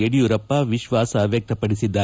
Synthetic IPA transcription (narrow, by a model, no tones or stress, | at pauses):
eɽijuɾɐpːɐʋiʃʋaːsɐʋjɐk̚t̪ɐpɐɽisid̪ːaː